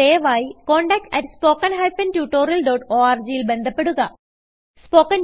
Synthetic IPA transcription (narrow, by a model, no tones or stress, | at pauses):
eːʋaːjiko̞ːɳɖɐk̚ʈɐtːspo̞ːkːɐnɦɐjfɐntuːʈːoːɾijɐlɖoːʈoːaːrd͡ʑijilbe̞nd̪ʱɐpːe̞ɽuɣɐ | spo̞ːkːɐn